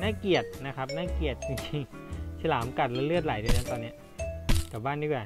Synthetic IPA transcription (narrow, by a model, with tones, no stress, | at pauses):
naː˥˨ki˨˩ət̪̚na˦˥kʰa˦˥p̚naː˥˩˨ki˨˩ət̪̚t͡ɕi˧ŋt͡ɕi˧ŋsʰa˧laː˩˦mka˨˩t̪̚lɛ˦˥lɯ˥˩ət̪̚la˨˩˦jda˧na˦˥˩t̪ɔː˧nːi˦˥ | ka˨˩baː˥˩˨ndiː˧˥˩kaː˧˩